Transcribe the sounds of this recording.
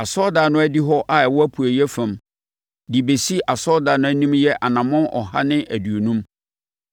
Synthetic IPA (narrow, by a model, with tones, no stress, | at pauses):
a˨sɔ˦daː˨nʊ̃˦æ˦di˦ɦɔ˦ʔa˦˨ɛ˨wɔ˦æ˦pʰu˨æ˨jɛ˦fæ̃˨m | di˨be˨si˦ʔa˨sɔ˦da˨nʊ̃˦æ˦nĩ˦mjɛ˦ʔa˨nã˨mʊ̃˦nʔɔ̰˨ɦa̰˦nɪ̃˦ʔæ˨du˨o˨nũ˦m